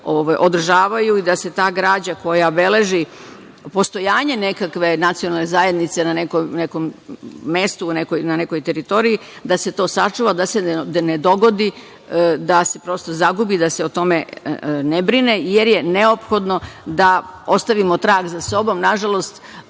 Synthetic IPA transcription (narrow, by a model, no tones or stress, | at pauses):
oʋajʔo̞d̪r̩ʒaːʋajuid̪ase̞t̪aːɡɾaːd͡ʑako̞jaobe̞le̞ʒi | po̞st̪o̞jaːɲe̞ne̞kakʋe̞nat̪sijonalnezaje̞d̪nit̪se̞nanekomnekomː | e̞st̪uːnekojnane̞ko̞jt̪e̞ɾit̪o̞ɾijid̪ase̞t̪o̞ːsat͡ʂuʋad̪ase̞ned̪o̞ɡo̞d̪i | d̪ase̞̥pɾo̞st̪o̞zaɡubid̪aseot̪o̞me̞nebɾinejeɾje̞ne̞o̞pxo̞d̪no̞d̪ao̞st̪aʋimot̪ɾaːɡzaso̞bo̞mnaʒalo̞st̪